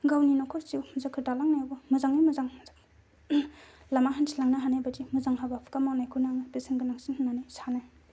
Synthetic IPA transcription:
ɡawninokʰɔɾsiwmzakʰɯtalaŋnajawbɐmuzaŋijmuzaŋmzak | lamaɦantʰilaŋnaɦanajbadimuzaŋɦabapʰkamawnajkʰunaŋapisiŋɡɯnaksinhɯnːanajsanaj

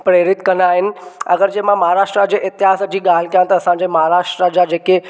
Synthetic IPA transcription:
pɾeːɾɪt̪kɐnaːɦɪnɪ̆ɐ̰ɡəɾd͡ʑẽːmãmɐɦaɾaːʃʈɾad͡ʑeʔɪt̪ɪɦaːsd͡ʑiːɠaːl̤ɪkjãt̪ɐɐsãɲd͡ʑemɐɦaɾaːʃʈɾad͡ʑad͡ʑeːke

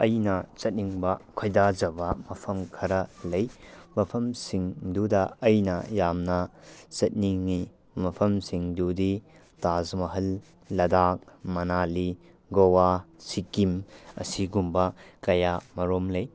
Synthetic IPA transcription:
ɐjnɐt͡ʃɐt̚niŋbɐkʰojdad͡ʒɐbɐmɐpʰɐmkʰɐɾɐlɐjmɐpʰɐmsiŋdudɐːjnɐ̰jamnɐt͡ʃɐt̚niŋni | mɐpʰɐmsiŋdudi | tazmɐɦɐlː | ɐdak̚mɐnali | ɡowasikimɐ̰siɡumbɐkɐjamɐɾomlɐj

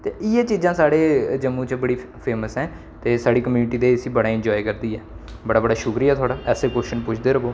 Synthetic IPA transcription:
t̪eːɪɛːt͡ʃiːzãːsaːɽeːd͡ʒəmːũːt͡ʃbəɽiːpʰeːməsɛ̃ː | t̪eːsaːɽiːkəmjuːnʈiːd̪eːsiːbəɽaːɪ̃ɲd͡ʒɔːikəɾd̪iːɛː | bəɽaːbəɽaːʃʊkɾiːaːt̪ʰʊaːɽaːʔɛːseːkʊʃənpʊt͡ʃʰd̪eːɾəɡoː

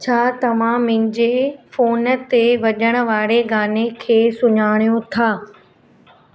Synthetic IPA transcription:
t͡ɕʰaːt̪ɐʋ̤ãmɪ̃ɪ̃ɲd͡ʑefoːnət̪eʋɐʄəɽ̃ə̆ʋaːɽeɡaːnekʰeːsʊɲaːɽ̃ijõt̪ʰaː

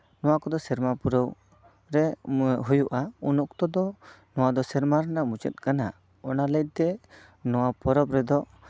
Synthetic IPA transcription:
nɔwakɔd̪ɔsɛɾmapuɾəw | ɾɛɦujuʔaunɔk̚t̪ɔd̪ɔ | nɔwad̪ɔsɛɾmaɾɛnamut͡ʃə̰t̪̚ˀkana | ɔnalət̪̚t̪ɛ | nɔwapɔɾɔp̚ɾɛd̪ɔ

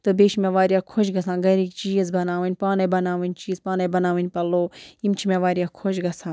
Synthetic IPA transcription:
t̪ɨbeːʃmẽʋaːɾijaːkʰoʃɡɐsãːɡɐɾikt͡ʃiːɐzbɐnaːʋɨnʲpaːnɐbɐnaːʋɨnʲt͡ʃiːzpaːnɐbɐnaːʋɐnʲpɐloːimt͡ʃʰimẽʋaːɾʲijaːkʰoʃɡɐsãː

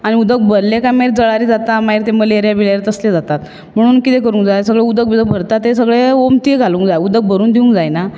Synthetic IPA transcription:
aɽ̃iud̪ək̚bʱəɾlekajmaiɾd͡zəɭaɾiːd͡zat̪amaiɾt̪eməleɾjabiɭaɾet̪əsled͡zat̪at̪ | m̤əɽ̃uːnkit̪ekəɾũːŋkd͡zajsəɡɭeud̪ək̚bid̪ək̚bʱəɾt̪at̪ːesəɡɭeomt̪iɡʱalũːŋkd͡zajud̪ək̚bʱəɾuːnd̪iũŋkd͡zajna

